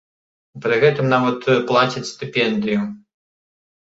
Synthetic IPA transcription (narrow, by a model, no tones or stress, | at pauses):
pɾɨɣɛt̪ɨmnavɐt̪plˠat͡sʲit͡sʲst̪ɨpʲɛnd̪ɨju